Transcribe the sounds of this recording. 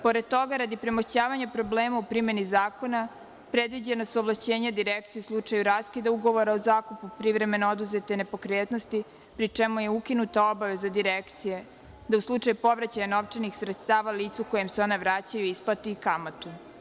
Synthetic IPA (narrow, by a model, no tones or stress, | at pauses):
po̞ɾed̪̚t̪o̞ɡaɾad̪ipɾemoʃt͡ɕaːʋaɲapɾo̞bleːmaupɾimenizaːko̞na | pɾe̞d̪ʋid͡ʑenosoʋlˠaʃt͡ɕeːɲad̪iɾekt̪sijeuslˠut͡ʂajuɾaːskid̪auɡo̞ʋo̞ɾaozaːkupupɾiʋɾe̞me̞nood̪uzet̪e̞ne̞po̞kɾeːt̪nost̪i | pɾit͡ʂemuje̞ukinut̪ao̞baʋe̞zad̪iɾekt̪sije̞ | d̪auslˠut͡ʂajupo̞ʋɾat͡ɕaɲano̞ʋt͡ʂenixsɾet̪st̪aːʋaliːt̪sukojemseo̞neʋɾaːt͡ɕajuisplat̪iikamat̪u